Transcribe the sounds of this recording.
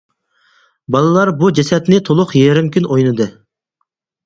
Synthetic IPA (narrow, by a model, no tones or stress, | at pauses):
bɑlˠɨlˠɑɾbud͡ʒɛsɛt̪nɪt̪ʰolˠʊqjeɾɪmkʲynojnɨd̪ɨ